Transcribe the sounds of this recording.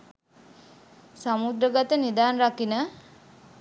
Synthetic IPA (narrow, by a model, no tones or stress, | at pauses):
samud̪ɾəɡat̪ənid̪aːnrakinə